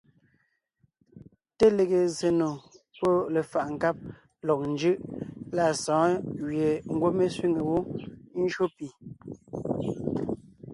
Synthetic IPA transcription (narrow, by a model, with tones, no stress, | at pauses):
te˦le˨ɣe˨ze˨no˨ | po˦le˨fa˨ʔŋ̩˨ka˦p̚ | lɔ˨k̚n̩˦d͡ʒɯ˦ʔla˦˨sɔ̃ː˨˦ɣɥje˨ŋ̩˦˨ɡwo˦me˦sɥi˦ŋe˨wo˦n̩˦ʃo˦pi˨